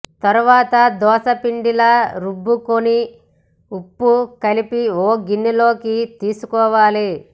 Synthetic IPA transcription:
t̪ɐɾuʋaːt̪ɐd̪ɔːsɐpiɳɖilɐɾubːukoni | upːukɐlipioːɡinːilo̞ːkit̪iːsukɔːʋaːli

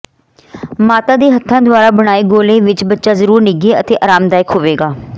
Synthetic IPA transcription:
maːt̪aːd̪eːɦət̪ʰːãːd̪ʊaːɾaːbəɽ̃aːiːɡoːlẽːʋɪt͡ʃbətːʃaːzəɾuːɾnɪɡeːət̪eːʔaːɾaːmd̪aːjɪkɦoːʋeːɡaː

